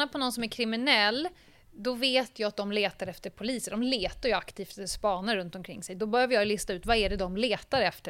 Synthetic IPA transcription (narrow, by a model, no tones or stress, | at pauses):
apʰɔnɔnsɔmæɾkʰɾɪmɪnɛlː | d̪ɔveːt̪ʰjɑːat̪̚d̪ɔmleːt̪aɾɛft̪əɾpʰʊliːsəd̪ɔmleːt̪aɾjɵakt̪ʰiːft̪spɑːnaɾːɵnt̪ɔmkʰɾɪ̰ŋːsɛjd̪ɔbœɾjavəɾjɑjlɪst̪aʉ̟ːt̪vaæɖɛd̪ɔmleːt̪aɾɛft̪ə